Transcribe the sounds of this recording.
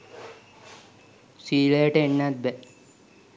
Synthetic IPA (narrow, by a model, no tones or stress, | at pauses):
siːləjəʈəeɳːat̪̚bɛ